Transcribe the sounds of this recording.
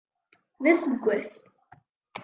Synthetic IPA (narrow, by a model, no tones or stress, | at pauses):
ðæsəɡʷːæs